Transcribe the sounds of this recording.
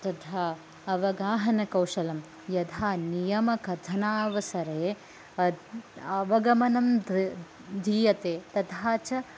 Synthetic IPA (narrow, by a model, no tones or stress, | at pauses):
t̪ɐt̪ʰaː | ɐʋɐɡaːɦɐnɐkɐwʃɐlɐm | jɐt̪ʰaːnijɐmɐkɐt̪ʰɐnaːʋɐsɐɾeː | ɐɐʋɐɡɐmɐnɐm | d̪ʱiːjɐt̪eːt̪ɐt̪ʰaːt͡ʃɐ